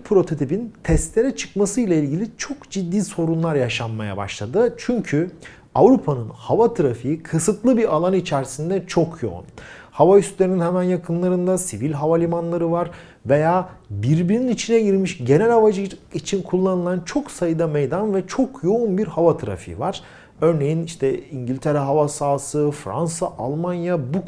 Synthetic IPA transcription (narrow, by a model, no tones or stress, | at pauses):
pʰɾo̞t̪ʰo̞t̪ʰipint̪ʰɛst̪lʲeɾɛt͡ʃʰɯ̥kmasɯjlʲˠailʲɟilʲit͡ʃʰokd͡ʒid̪ːiːso̞ɾunlˠaɾjaʃanmaja̰ba̰ʃlˠad̪ɯt͡ʃʰyɲcʰy | avɾupʰanɯnhavat̪ʰɯɾafijikʰɯsɯt̪lˠɯbiɾalˠanit͡ʃʰæɾsind̪ɛt͡ʃʰo̞kʰjo̞̰ṵnhavayst̪lʲe̞ɾininhɛmænjakʰɯnlˠaɾɯnd̪asivilʲɦavalʲimanlˠaɾɯvaɾ | ve̞jaːbiɾbiɾninit͡ʃʰinɛɟiɾmiʃɟe̞nɛlʲavad͡ʒɯit͡ʃʰinkʰulˠːanɯlˠant͡ʃʰo̞ksajɯd̪amejd̪anvɛt͡ʃʰo̞kʰjo̞unbiɾhavat̪ʰɯɾa̰fḭvaɾ̥ | ø̞ɾne̞jiniʃt̪ʰɛiɲɟilʲt̪ʰeɾɛɦavasaːsɯfɾa̰nsaʔalˠmanjabu